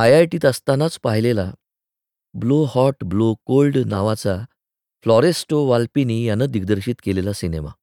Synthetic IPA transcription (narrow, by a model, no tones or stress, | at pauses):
ajajʈiːt̪əst̪anat͡spaɦilela | blohɔʈblokolɖnaʋat͡sa | flɔɾesʈoʋalpinijanːad̪iɡd̪əɾɕiːt̪kelelasinema̰